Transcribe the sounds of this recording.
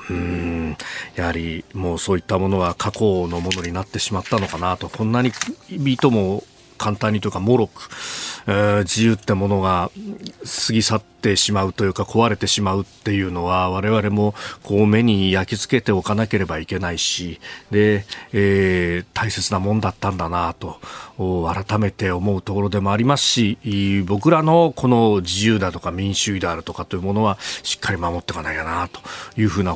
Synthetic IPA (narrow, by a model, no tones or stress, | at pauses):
ɯ̟̃ | jahaɾʲimo̞ːso̞ːit̪ːamo̞no̞ɡakʰako̞no̞mo̞no̞ɲ̟inat̪ːe̞ɕimat̪ːano̞kanat̪o̞kʰõ̞nːaɲ̟ibʲit̪o̞mo̞ | kʰãnt̪ãɲ̟ːit̪ojiɯ̟kamo̞ɾo̞kɯ̟̥ɯd͡ʑijɯːt̪ːemo̞no̞ɡa | sɨɡʲisat̪ːe̞ɕimaɯ̟t̪o̞jɯ̟ːkakʰo̞βaɾe̞t̪e̞ɕimaɯ̟t̪ːe̞jɯ̟ːno̞βaβaɾe̞βaɾe̞mo̞kʰo̞ːme̞ɲ̟ijakʲit͡sɨ̥ke̞t̪e̞o̞kanake̞ɾe̞baike̞naiɕid̪e̞ː | t̪ʰaise̞t͡sɨnamõ̞nd̪at̪ːãnd̪anat̪o̞ | aɾat̪ame̞t̪e̞o̞mo̞ɯ̟t̪o̞ko̞ɾo̞d̪e̞mo̞aɾʲimasɨ̥ɕibo̞k̬ɯ̟ɾano̞kʰo̞no̞d͡ʑijɯːd̪at̪o̞kamʲĩɰ̃ɕɨːid̪e̞aɾɯ̟t̪o̞kat̪o̞jɯ̟mo̞no̞β̞aɕi̥kʰːaɾʲimamo̞t̪ːe̞kanaijanat̪o̞̥jɯ̟ːɸɯ̟ːna